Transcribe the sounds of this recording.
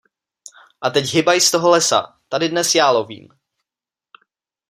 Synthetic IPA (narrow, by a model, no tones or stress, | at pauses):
ʔat̪ɛcɦɪbajst̪oɦolɛsa̰ | t̪adɪdnɛsjaːlovḭːm